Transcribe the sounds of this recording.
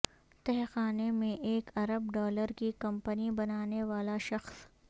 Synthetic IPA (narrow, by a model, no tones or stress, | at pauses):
t̪ɛɦxaːnemẽʔeːkɐɾəbɖɔːləɾkikɐ̃mpənibɐnaːneʋaːlaʃɐxs